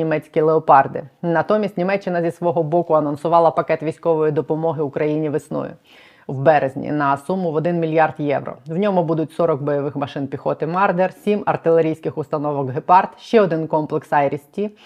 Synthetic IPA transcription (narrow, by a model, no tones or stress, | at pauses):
imɛt͡sʲkʲilˠeɔpɑrd̪ɪ̰nɐt̪ɔmʲisʲtʲnʲimɛt͡ʃːɪnɐzʲisʋɔɦɔbɔkʊɐnɔnsʊʋɑlˠɐpɐkɛt̪ʋʲijsʲkɔʋɔjid̪ɔpɔmɔɦɪʊkɾɐjinʲiʋɪsnɔ̰jʊ̰ | wbɛɾezʲnʲḭnɐsumʊʋɔd̪ɪnmʲilʲjɑrd̪jɛʋrɔ̰wnʲɔmʊbud̪ʊtʲsɔɾɔkbɔjɔʋɪxmɐʃɪnpʲixɔt̪ɪmɑrd̪ersʲimɐ̰rt̪ɪlˠeɾʲijsʲkɪxʊst̪ɐnɔʋɔɡɦepɑrt̪ʃt͡ʃɛɔd̪ɪnkɔmplˠeksɑjɾʲisʲtʲːi